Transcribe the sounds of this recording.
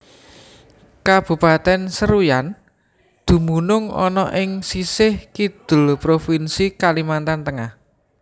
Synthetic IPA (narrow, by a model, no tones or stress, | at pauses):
kab̥ṳpat̪ɛnsəɾujan | d̪̥ṳmunʊŋɔ̰nɔ̰ʔɪŋsisɪhkid̪̥ʊ̤lpɾofinsikalimant̪ant̪əŋah